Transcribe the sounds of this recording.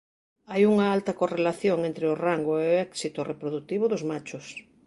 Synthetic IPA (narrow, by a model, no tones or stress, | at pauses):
ajuŋɐalt̪ɐkorelaθjoŋẽnt̪ɾeoraŋɡoeoɛksit̪orepɾoðuk̚t̪iβ̞ʊðʊzmat͡ʃʊs